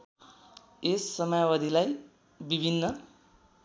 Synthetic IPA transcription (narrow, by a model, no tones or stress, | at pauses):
esːʌmʌjawʌd̪ilaj | bibʱinːʌ